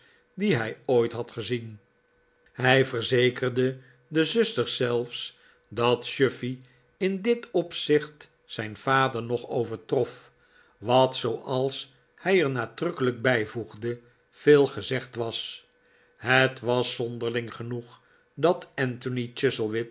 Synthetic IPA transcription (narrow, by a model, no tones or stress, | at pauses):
diɦɛjojtɦɑtχəzin | hɛjvəɹzejkərdə | dəzʏstəɹsɛlˠfs | dɑtʃøfi | ɪndɪtɔpsɪχt | sɛjnv̥aːdəɹnɔχowvəɹtrɔf | ʋɑtsowʔɑlˠs | hɛjəɹnaːdrɵkələk̚bɛjvuχdə | v̥eːlˠχəzɛχtʋɑs | ɦətʋɑsɔndəɹlɪŋχənuχ | dɑtɛntonit͡ʃɪsəlˠʋɪt